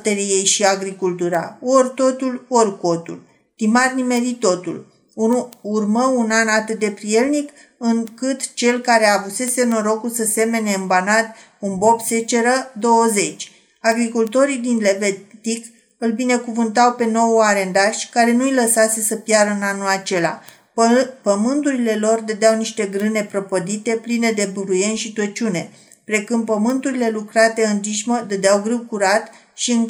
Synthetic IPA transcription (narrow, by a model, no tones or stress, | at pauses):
t̪eɾije̞jʃiaɡɾikult̪uɾa̰o̞rʲt̪o̞t̪ulorko̞t̪ṵl | t̪imarnime̞ɾit̪o̞t̪ṵl | urməunanat̪ɨt̪̚d̪e̞pɾije̞lnik | ɨŋkɨt̪t͡ʃe̞lkaɾe̞avuse̞seno̞ɾo̞kusəse̞me̞ne̞ɨmbanat̪ | unbo̞pset͡ʃe̞ɾəd̪o̞woze̞t͡ʃʲ | aɡɾikult̪o̞ɾid̪inle̞vet̪ik | ɨlbine̞kuvɨnt̪̬awpe̞no̞waɾe̞nd̪aʃʲkaɾe̞nuijləsase̞səpjaɾəɨnanulat͡ʃe̞la̰ | pəmɨnt̪uɾile̞lo̞rd̪əd̪eawniʃt̪e̞ɡɾɨne̞pɾo̞pod̪it̪e̞pline̞d̪e̞buɾuje̞nʃit̪ət͡ʃune̞ | pɾe̞kumpəmɨnt̪uɾile̞lukɾat̪e̞ɨnd͡ʒ̪iʃməd̪əd̪eawɡɾɨwkuɾat̪ | ʃiɨŋ